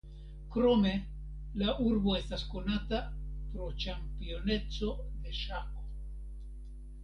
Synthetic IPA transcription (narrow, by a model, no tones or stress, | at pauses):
kɾome̞ | lauɾbo̞est̪asko̞nat̪apɾo̞t͡ʃampio̞ne̞t͡so̞d̪e̞ʃako